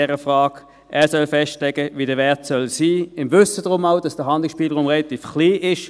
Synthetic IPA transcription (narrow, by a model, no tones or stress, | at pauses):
ɛʁəfʁaːk | ʔɛːɐsœlfɛstlɛɡəviːdəɐvɛɐtsœlsiːɪmvʏsədʁʊmaʊdɑsd̥əɦɑndlɪsʃpiːləʁuːmʁɛlɑt̪iːfkliːʔɪʃ